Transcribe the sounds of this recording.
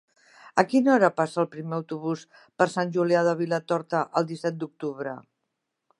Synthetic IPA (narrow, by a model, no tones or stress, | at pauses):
əkinɔɾəpasəːlˠpɾimeəwt̪uβus | pəɾsanʲʒuliaðəβ̞ilət̪ɔɾt̪əʔəlˠd̪isɛt̪̚d̪uk̚t̪uβ̞ɾə̰